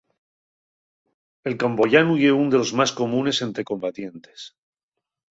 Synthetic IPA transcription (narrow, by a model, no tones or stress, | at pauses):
e̞lkambo̞ʝanuje̞und̪e̞lo̞zmasko̞mũne̞se̞nt̪ɾe̞ko̞mbat̪je̞nt̪e̞̥s